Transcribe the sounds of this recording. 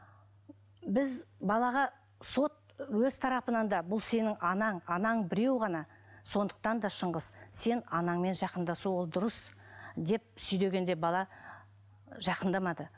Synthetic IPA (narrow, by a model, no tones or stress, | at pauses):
bɪzbɑlˠɑʁɑ | so̞t̪̚wɵz̥t̪ʰɑɾɑpənɑnd̪ɑbʊlˠse̞nɪŋɑnɑɴɑnɑɴbɪɾe̞wʁɑnɑ | so̞nd̪ə̥q̚t̪ɑnd̪ɑʃəɴʁəzse̞nɑnɑɴme̞nʒɑqənd̪ɑsuwo̞lˠd̪ʊɾəs | d̪e̞p̚sʏjd̪e̞ɡʲe̞nd̪e̞bɑlˠɑ | ʒɑqənd̪ɑmɑd̪ə